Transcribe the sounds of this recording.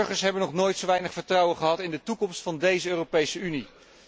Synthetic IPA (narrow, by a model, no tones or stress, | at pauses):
ɹχəɹsɦɛbənɔχnoːjtsowʋɛjnəχfəɹtrɑwənχəɦɑtɪndətukɔmstfɑndejzəøːropejsəyni